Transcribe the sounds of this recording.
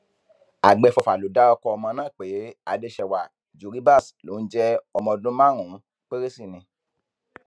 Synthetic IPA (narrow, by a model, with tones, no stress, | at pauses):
a̰˨ɡ͡bɛ˧fɔ˧fa˨lo˨˦da˦ɔ˧kɔ˧ɔ˧mɔ̃˧nãː˦˨k͡pe˨˦a̰˨de˧˦ʃɛ˨wa˨ | d͡ʒu˨ɾi˦ba˦˨slo˨˦n̩˦d͡ʒɛ˦ɔ˧mɔ̃˧dũ˦mã˦˨ɾ̃ũ˨˦ | k͡pe˦ɾe˦si˦˨nĩ˧